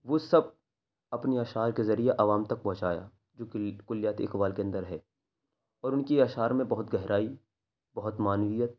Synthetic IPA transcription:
ʋosɐb̚ | ɐpniaːʃaːɾkezɐɾijeʔɐʋaːmt̪ɐk̚pɔ̃ɦʊ̃t͡ʃaːja̰ː | d͡ʒoːkʊljaːt̪ɪ̰kʋaːlkeɐ̃nd̪əɾɦɛː | ɔːɾʊnkiaːʃaːɾmẽbɐɦʊt̪ɡɐɦɾaːi | bɐɦʊt̪maːnʋijət̪̚

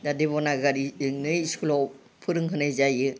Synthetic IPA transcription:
dadeβɔnaɡaɾiɯŋnɯjskʰulɔ | pʰɯɾɯŋɦɯnɯjzajɯ

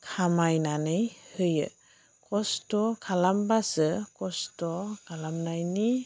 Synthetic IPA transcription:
kʰamajnanɯjhɯjɯ̰ | kʰɔstɔkʰalambasɯkɔstɔkʰalamnajni

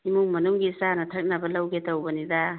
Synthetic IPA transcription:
imuŋmɐnuŋɡisanɐtʰɐk̚nɐbɐlɐwɡetɐwbɐnidɐ

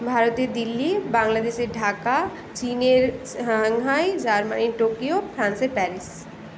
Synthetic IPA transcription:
bʱaːɾət̪ed̪ɪlːibãːŋɡlaːd̪eːʃeɖʱaːka | t͡ʃiːneɾ | ɦaŋɦaːid͡ʒaːɾmaniʈoːkijopʰɾãːnsepɛːɾɪs

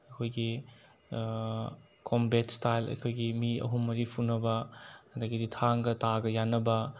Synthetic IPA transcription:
ɐkʰojɡi | kʰombetstajlɐ̰jkʰojɡimiɐ̰ɦumːɐɾipʰunːɐbɐdɐkiditʰaŋɡɐtaɡɐjanːɐbɐ

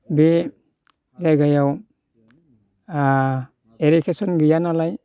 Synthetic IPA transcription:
be | zajɡajaw | eɾikʰesɔnɡɯjanalaj

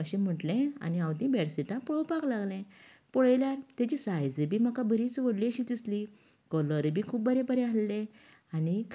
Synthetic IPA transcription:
əɕẽm̤əʈlẽa̰niãwt̪ĩbeɽsiʈãpɭopaklaɡlẽ | pɔɭjljaɾt̪jat͡ɕisajd͡zebʱiːm̤akabəɾiːt͡sʋəɽliəɕid̪isli | kɔləɾbʱiːkʰuːp̚bəɾebəɾeɦalːẽ | anik

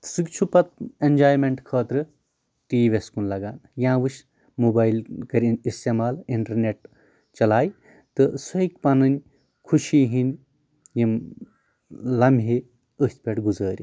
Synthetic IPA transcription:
sɨkt͡ʃʰupɐt̪̚enʲd͡ʒaːjmeɳʈkʰəːt̪ɾɨ | ʈiːʋeskunlɐɡaːnjãːʋɨʃ | muːbaːjlkɐɾʲinist̪emaːliɳʈɐɾneʈ̚ | t͡ʃɐlaːj | t̪ɨsɐik̚pɐnɨnʲ | kʰuʃiɦin | jim | lɐmbʲʱɦe | əsʲt̪̚ʰʲpʲeʈɡuzəːɾʲi

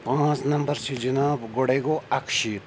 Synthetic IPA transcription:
pãːt͡snɐmbɐɾsʰid͡ʒinaːbɡoɽeːɡoɐkʃiːt̪

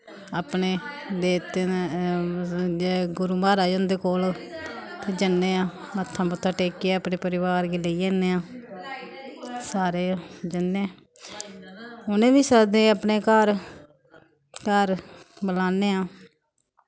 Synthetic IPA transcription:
aːpneːd̪eːt̪e | ɡʊɾuːmaːɾaːjõnd̪eːkoːl | t̪eːd͡ʒənːeːãː | mət̪ʰːãːbət̪ʰːaːʈeːkeɛːpneːpəɾɪʋaːɾɡeːleiːeːneːãː | saːɾeːd͡ʒənːẽː | ʊnẽːbiːsaːd̪ẽːəpneːkaːɾ | kaːɾ | bəlaːneːaː

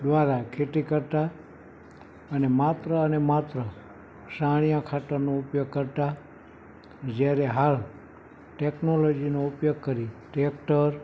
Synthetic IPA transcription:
d̪ʋaɾakʰeʈ̪ikəɾt̪a | ənemat̪ɾəənemat̪ɾə | ʃaɽ̃ijãkʰaʈanoʊpjoɡ̚kəɾt̪a | d͡ʒjaɾeɦal | ʈeknolod͡ʒinoʊpjoɡ̚kəɾiʈek̚ʈəɾ

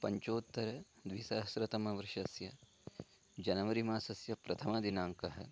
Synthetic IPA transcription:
pɐɲt͡ʃoːt̪ːɐɾɐd̪ʋisɐɦɐsɾɐt̪ɐmɐʋɐɾʂɐsjɐ | d͡ʒɐnɐʋɐɾimaːsɐsjɐpɾɐt̪ʰɐmɐd̪inaːŋkɐɦɐ̰̆

